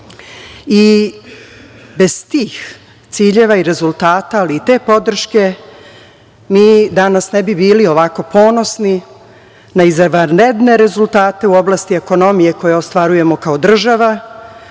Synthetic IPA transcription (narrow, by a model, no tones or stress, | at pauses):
i | be̞z̥t̪iːx | t̪siːʎe̞ːʋaiɾe̞zulˠt̪aːt̪aːliːt̪e̞ːpo̞d̪r̩ʃke̞ | miːd̪anasnebibiːlio̞ʋako̞po̞ːno̞sni | naizaʋaɾned̪ne̞ɾe̞zulˠt̪aːt̪e̞uoblˠast̪ie̞ko̞no̞mije̞ko̞jeost̪ʋaɾuje̞mo̞kaod̪r̩ʒaʋa